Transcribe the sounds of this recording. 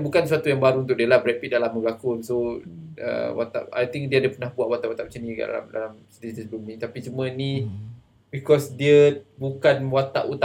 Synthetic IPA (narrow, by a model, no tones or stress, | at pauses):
bukansuat̪ujaŋbaɾuunt̪̬ʊk̚diəlabɾɛpit̪̚dalamːəɡakʊnsoə̰wa̰t̪a̰pa̰jt̪iŋk̚diəadəpənahbuaʔwat̪aʔuat̪aʔp̚t͡ʃəniɡa̰ʔda̰la̰mda̰lamsədiit̪əsblumĩt̪apit͡ʃumə̃nĩ | bikɔsdiəbukanwat̪aʔut̪a